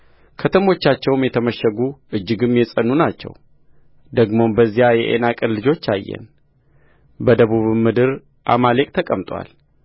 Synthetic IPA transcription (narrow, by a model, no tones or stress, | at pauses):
kʰət̪ʰəmo̞t͡ʃːat͡ʃːɛwmjɛt̪ʰəməʃːəɡuʔɨd͡ʒːɨɡɨmjɛsʼənːunat͡ʃːɛ̰w | d̪əɡmo̞mbəzːijajɛ̰ʔḛnakʼɨnlɨd͡ʒo̞t͡ʃːa̰jːɛ̰n | bəd̪əβuβmːɨd̪ɨɾ | ʔa̰malekʼt̪ʰəkʼəmt̪ʼwa̰l